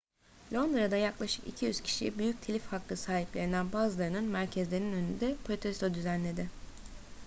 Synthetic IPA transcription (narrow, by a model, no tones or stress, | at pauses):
lʲo̞nd̪ɾad̪ajaklˠaʃɯ̥kḭcʰijyz̥cʰi̥ʃḭbyjyc̚t̪ʰelʲifhakːˠɯsaːɦiplʲeɾinænbaːzɯlˠaɾɯnɯnmæɾcʰɛzlʲeɾninø̞nynd̪ɛpʰɾot̪ʰɛsit̪od̪yzænlʲe̞d̪ɪ